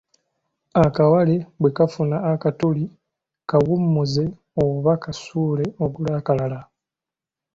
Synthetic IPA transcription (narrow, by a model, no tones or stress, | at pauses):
akawale̞bwekafunaːkatuli | kaβumːuze̞ | oβakasuːle̞oɡulakalala